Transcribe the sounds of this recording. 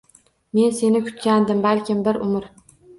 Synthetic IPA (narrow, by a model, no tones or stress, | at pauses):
me̞nse̞nɪkʰʊ̥t̪kʲand̪ɪmbalkʲɪmbɪɾʔʊmɾ